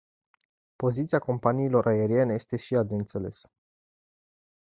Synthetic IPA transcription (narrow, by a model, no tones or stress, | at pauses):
po̞zit̪siako̞mpaniːlo̞ɾʔaeɾie̞neje̞st̪e̞ʃiad̪eɨnt̪se̞le̞̰s